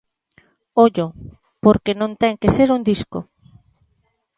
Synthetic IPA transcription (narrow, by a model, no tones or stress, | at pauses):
oʎo | poɾkenõnt̪ɛŋkeseɾuŋd̪isko̰